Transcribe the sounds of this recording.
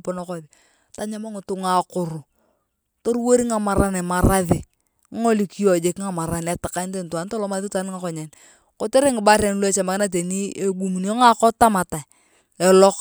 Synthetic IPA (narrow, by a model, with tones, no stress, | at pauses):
pɔ˦nɔ˦kɔ˦˨ði˨ | ta˨ɲa˦ma˦ŋʊ˨tʊ˨ŋa˨kʊ˨ɾʊ˨ | to˦ɾwo˦ɾi˦ŋa˨ma˨ɾa˦nɛ˨ma˨ɾa˦ðɪ˨˦ | ŋo˦li˦ki˦jɔ˨d͡ʒe˨kŋa˨ma˨ɾa˨nɛ˨tɪ̥˨ka˦nte˨ntwa˨˦n˦to˦lɔ˦ma˦ði˦ta˨˦n˦ŋa˨˦kɔ˨ɲɛ˨n | ko˦te˦ɾe˦ŋɪ˨ba˦ɾɛ˨nu˦lo˦ɛ˨t͡ʃa˨ma˨kɪ˦na˦t̬e˨ni˦e˦ɡu˨mu˨n˦o˦ŋa˦kɔ˦ta˦ma˨ta˨ | ɛ˨lɔ˦k